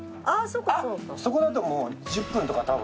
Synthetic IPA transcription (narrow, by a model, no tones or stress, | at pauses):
asokːaaokso̞ko̞d̪at̪o̞moːd͡ʑɨpːɯ̃nt̪o̞kat̪abɯ̰̃